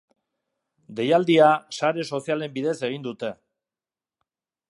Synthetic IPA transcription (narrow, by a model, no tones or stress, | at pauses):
d̪e̞jald̪iasaɾe̞so̞sijale̞mbiðe̞se̞ɣ̞ind̪ut̪e̞